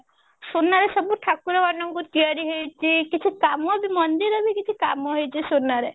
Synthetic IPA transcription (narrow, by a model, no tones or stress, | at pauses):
sunːaɾesɔbuʈʰakuɾɔbanɔŋkut̪ijaɾiɦejt͡ʃʰikit͡ʃʰikamɔbimɔnd̪iɾɔbikit͡ʃʰikamɔɦejt͡ʃʰisunːaɾe